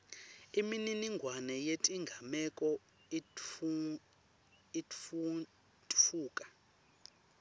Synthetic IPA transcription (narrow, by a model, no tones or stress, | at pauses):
imininiŋɡʱwanɛjetʼiŋɡʱamɛkʼɔ | i | i | tʼfuːkʼḁ